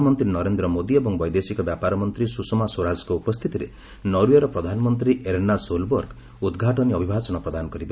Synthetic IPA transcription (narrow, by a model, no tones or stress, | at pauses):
mɔnt̪ɾinɔɾend̪ɾɔmod̪iebɔŋbɔjd̪esikɔbjapaɾɔmɔnt̪ɾisusɔmasoɾad͡ʒɔkɔupɔst̪ʰit̪iɾe | nɔɾujeɾɔpɾɔd̪ʱanɔmɔnt̪ɾiʔeɾnːasolbɔɾɡ | ud̪ɡʱaʈɔniɔbʱibʱat͡ʃɔñɔpɾɔd̪anɔkɔɾibe